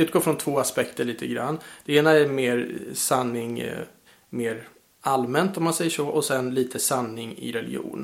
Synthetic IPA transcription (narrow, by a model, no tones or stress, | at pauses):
ʉ̟t̪̚ɡoːfɾɔnt̪ʰvoːaspɛkt̪əɭiːt̪ʰəɡɾa̰nːd̪̥ɛeːnaæɾmeːɾsanːɪŋ | meːɾ | almɛnt̪ɔmansɛjːəʂɔʔɔsɛnliːt̪ʰəsanːɪŋɪ̰ɾɛlɪɡṵːn